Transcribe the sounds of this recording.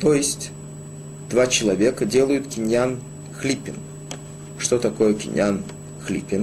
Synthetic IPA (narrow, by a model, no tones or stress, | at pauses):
t̪ojɪsʲtʲ | d̪̥vat͡ɕɪlˠɐvʲe̞kədʲe̞lˠəjʊt̪kʲɪnʲjan | xlʲipʲɪn | ʂt̪ot̪ɐko̞jəkʲɪ̰n̰ʲjan | xlʲḭpʲɪn